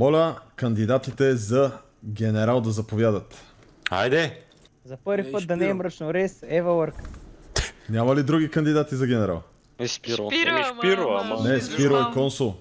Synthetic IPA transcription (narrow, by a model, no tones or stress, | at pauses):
mɔlʲəkɐnd̪id̪at̪it̪ɛzɐ | ɡɛnɛɾalˠd̪ɐzɐpovʲjad̪ət̪ | a̰jd̪ɛ | zɐpɤɾvipət̪d̪ɐnɛɛmɾət͡ʃnoɾɛsɛvəwəɾk | nʲamɐlid̪ɾuɡikɐnd̪id̪at̪izɐɡʲɛnɛɾa̰lˠ | s | iɾomnɛspiɾoɛkɔnsulˠ